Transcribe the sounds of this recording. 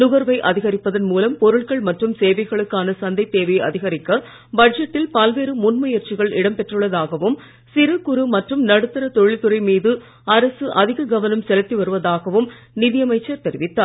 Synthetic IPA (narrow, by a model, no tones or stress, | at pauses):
nʊɣɐɾʋɐɪʔɐðɪɣɐɾɪpːɐðɐnmuːlɐmpɔɾɯɭɣɐɭmɐʈrɯmseːʋɐɪɣɐɭɯkːaːnɐsɐnd̪ɐɪt̪ːeːʋɐɪɐ̰ðɪɣɐɾɪkːɐ | bɐd͡ʒɐʈːɪlpɐlʋeːɾɯmʊnmɐjɐɾt͡ʃɪɣɐɭɪɽɐmpɛʈrɯɭːɐðaːɣɐʋɯm | sɪɾɯkːʊɾɯmɐʈrɯmnɐɽɯt̪ːɐɾɐt̪ɔɻɪt̪ːɯɾɐɪmiːðɯ | ɐɾɐsɯʔɐðɪɣɐɡɐʋɐnɐmsɛlɐt̪ːiʋɐɾɯʋɐðaːɣɐʋɯm | nɪðɪjɐmɐɪt͡ʃːɐɾt̪ɛɾɪʋɪt̪ːaː